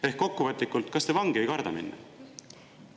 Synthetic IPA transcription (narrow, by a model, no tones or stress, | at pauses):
e̞hkːo̞kːuvɤt̪ˑlikːˑult̪ˑkɑst̪evɑŋɡ̥iejkɑrd̪ɑmḭnːɑ̰